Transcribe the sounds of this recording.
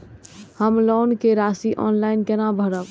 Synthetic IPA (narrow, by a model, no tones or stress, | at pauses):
həmlonkeɾasiʔɔ̰nlainkenabʱəɾəb